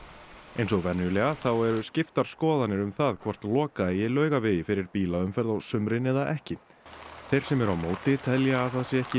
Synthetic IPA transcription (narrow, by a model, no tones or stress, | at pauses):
ejns̬ɔɣvɛnːʏlɛɣaθawɛɾʏscɪft̪aɾ̥skɔːðanɪɾʏmθaðkʰvɔr̥t̪lɔːkajɛlœːɥɣavɪðɪfɪɾɪɾpiːlaʏmfɛɾðawsʏmɾɪnɛðaʔɛhcɪ | θejɾ̥sɛmɛɾawmoːwt̪ɪt̪ʰɛljaːðθaðsjɛɛhcɪ